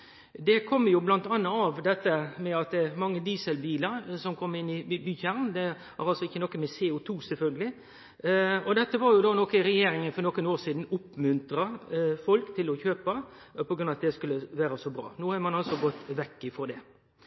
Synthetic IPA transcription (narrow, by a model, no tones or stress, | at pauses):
d̪ɛkʰɔmːəjʊblɑnt̪ɑnːəɑʋd̪ɛt̪ːəmɛɑt̪̚d̪ɛɛmɑŋːəd̪iːsɛlbiːləɾsɔmkʰɔmːɪnːɪbyːçæʁnd̪ɛ | ʔɑ̰ɾɑlsɔɪçːənɔkːəmɛseːʊt̪ʰuːsɛlfœlɡəlɪ | ɔd̪ɛt̪ːəʋɑɾjʊd̪oːnɔkːəɪɾɛjeːɾɪŋənfɔɾnɔkːənoːɾsiːd̪n̩ʊpːmʉnt̪ɾɑfɔlkt̪ʰɪlɔçøːpə | pʰɔɡɾʉnɑɑt̪d̪ɛskʉlːəʋæːɾəsɔbɾɑ̰ːnoːhɑɾmɑnɑlsɔɡɔt̪ːʋɛkːɪfɔd̪ɛ